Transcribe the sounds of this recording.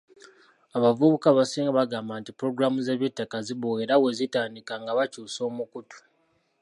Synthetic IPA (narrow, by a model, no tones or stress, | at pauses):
aβavuβukaβasiːŋɡaβaɡaːmbantipuɾo̞ɡuɾamuze̞βitːakaziβoeɾawe̞zitaːndikaŋɡaβacuːso̞ːmukutu̥